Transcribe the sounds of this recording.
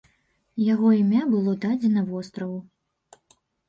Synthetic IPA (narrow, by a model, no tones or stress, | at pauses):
jaɣɔimʲabɨlˠɔd̪ad͡zʲɛnɐvɔst̪ɾɐvu